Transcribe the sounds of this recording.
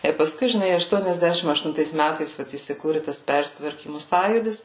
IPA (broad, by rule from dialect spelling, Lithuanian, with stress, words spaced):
ɪr pɐˈskʊɪ ʒʲɪˈnɐɪ ɐʃtuɔnʲɛzʲˈdʲæːʃʲɪm ɐʃtʊnˈtɐɪs ˈmʲætɐɪs ˈʋɐt iːsʲɪˈkuːrʲɪ tɐs ˈpʲɛrʲsʲɪtʋɐrʲkʲiːmʊ ˈsɑːjuːdʲɪs